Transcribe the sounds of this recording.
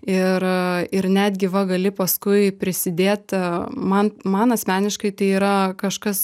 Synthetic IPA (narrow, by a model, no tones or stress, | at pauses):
ɪɾɪɾnʲæd̪ʲɡʲɪʋɐɡɐlʲɪpɐskʊɪpʲɾʲɪsʲɪd̪ʲeːt̪mɐnmɐnɐsʲmʲæːnʲɪʃkɐɪt̪ɐɪiːɾɐkɐʃkɐs